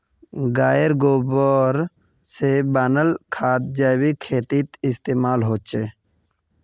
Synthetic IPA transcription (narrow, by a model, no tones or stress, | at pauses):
ɡaːjəɾɡoːbəɾ | sebaːnəlkʰaːt̪̚d͡ʒaːwikʰeːt̪it̪ɪst̪eːmaːlɦoːt͡ʃeː